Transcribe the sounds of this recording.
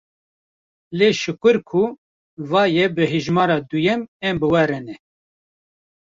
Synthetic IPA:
leːʃɨkʷɨɾkʰu | vɑːjɛbɨɦɨʒmɑːɾɑːd̪ujɛmɛmbɨwɛɾɨnɛ

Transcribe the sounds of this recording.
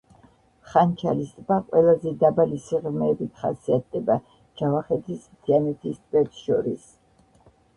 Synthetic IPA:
χant͡ʃʰalist̪ʼvbaqʼwɛlˠazɛd̪abalisiʁmɛːbit̪ʰχa̰siat̪̚d̪ɛba | d͡ʒavaχɛt̪ʰismt̪ʰianɛt̪ʰist̪ʼvɛt̪ʃɔɾis

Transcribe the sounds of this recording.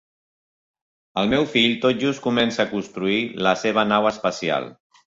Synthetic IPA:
əlˠmɛwfiʎt̪ot̪̚ʒust̪̚kumɛnsaːkunst̪ɾuiləseβənawəspəsia̰lˠ

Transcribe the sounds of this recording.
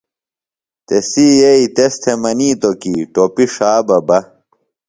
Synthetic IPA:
t̪esiːjeit̪est̪ʰemɐniːt̪okiʈopiʂaːbɐbɐ

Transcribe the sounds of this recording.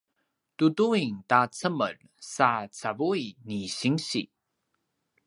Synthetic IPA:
tuduiŋtat͡səmə̰r | sat͡savuiniɕiŋɕḭ

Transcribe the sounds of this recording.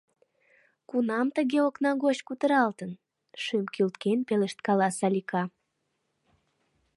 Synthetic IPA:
kunɑmt̪əɣeoknɑɣot͡ɕkut̪əɾɑlt̪ən | ʃymkylt̪kenpeleʃt̪kɑlɑsɑlʲikɑ

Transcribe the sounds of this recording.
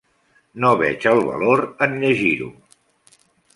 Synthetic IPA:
noβɛt͡ʃəlˠβə̰loɾənʎəʒiɾṵ

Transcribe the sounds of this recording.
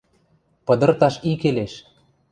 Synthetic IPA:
pɤ̆d̪ɤ̆rt̪ɑʃikeleʃ

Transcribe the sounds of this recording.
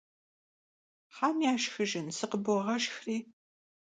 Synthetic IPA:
ħaːmjaːʃxɨʒɪnsɨqəbɔʁɐʃxriː

